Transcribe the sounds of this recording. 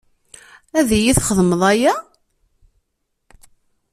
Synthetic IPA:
æðijiθχəðˤməðˤæjæ

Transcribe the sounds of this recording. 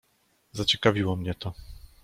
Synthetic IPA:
zat͡ɕɛkavʲiwɔmɲɛt̪ɔ

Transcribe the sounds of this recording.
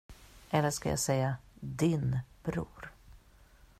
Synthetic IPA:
ʔɛlːəʂkaja̰ːsɛjːad̪ɪnb̥ɾṵːɾ

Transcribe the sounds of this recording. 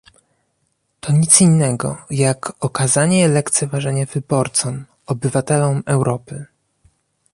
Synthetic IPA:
t̪ʰɔɲit̪sinːɛɡɔ̰jakɔkazaɲɛlɛkt̪sʲɛvaʐɛɲɛvɘbɔɾt̪sɔm | ɔbɘvat̪ɛlɔmɛwɾɔpɘ

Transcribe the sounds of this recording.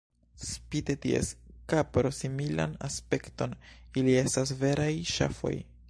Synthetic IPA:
spitetiḛskapɾo̞simila̰na̰spe̞kto̞nilie̞stas̬ve̞ɾajʃa̰fo̞̰j

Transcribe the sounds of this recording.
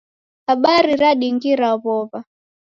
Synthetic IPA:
haɓaɾiɾaɗiŋɡiɾaβɔβa

